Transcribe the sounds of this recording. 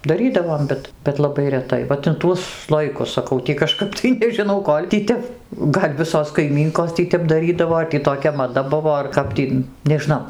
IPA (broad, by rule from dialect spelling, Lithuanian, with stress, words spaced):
dɐˈrʲiːdɐʋoːm ˈbʲɛt bʲɛt lˠɐˈbɐɪ rʲɛˈtɐɪ ʋɐt ɪn ˈtuɔs ˈslˠoːjɪkʊs sɐˈkɐʊ tʲiː kɐˈʃkɐp tɐɪ nʲɛʒʲɪˈnɐʊ ˈkoːlʲ tʲiː ˈtʲɛp ˈɡɐlʲ ˈʋʲɪsoːs kɐɪˈmʲiːŋkoːs ˈtʲiː tʲɛp dɐˈrʲiːdɐʋoː ɐr tʲiː toːˈkʲɛ mɐˈdɐ ˈbʊʋoː ɐr ˈkɐp tʲiː nʲɛʒʲɪˈnɐʊ